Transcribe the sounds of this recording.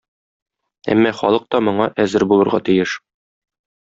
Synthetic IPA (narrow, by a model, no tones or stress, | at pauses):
æ̰mːɒχɒ̰lˠɤq̚t̪ɒmŏɴɑʔæzɘɾbulˠɤ̆ɾʁɑt̪ijɘʃ